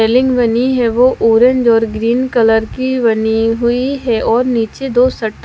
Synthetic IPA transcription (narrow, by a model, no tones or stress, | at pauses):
eːlɪ̃ŋɡʋɐniɦɛʋoʔoːɾə̃ɲd͡ʒɔːɾɡɾiːnkɐləɾkiʋɐniɦʊiɦɛʔɔːɾniːt͡ʃed̪oːsɐʈː